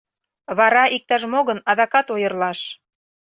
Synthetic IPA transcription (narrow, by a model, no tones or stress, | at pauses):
βɑɾɑʔik̚t̪æʃmoɣɤ̆nɑðɑkɑt̪ojɤrlɑʃ